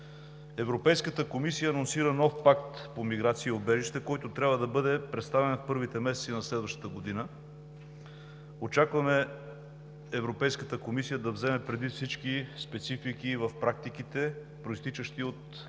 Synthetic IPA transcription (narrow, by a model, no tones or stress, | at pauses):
ɛvɾopɛjskət̪əkomisijəːnonsiɾənɔfpakt̪pomiɡɾat̪siːobɛʒiʃt̪ɛkɔjt̪ot̪ɾʲabvəd̪ɐbɤd̪ɛpɾɛt̪st̪avɛnɐfpɤɾvit̪ɛmɛsɛt̪sinɐslɛd̪vəʃt̪ə̥t̪əɡod̪inə | ot͡ʃakvɐmɛ | ɛvɾopɛjskət̪əkomisijəd̪ɐvzɛmɛpɾɛd̪vit̪fsit͡ʃkispɛt̪sifikivɐfpɾak̚t̪ik̟it̪ɛ | pɾoist̪it͡ʃəʃt̪iot̪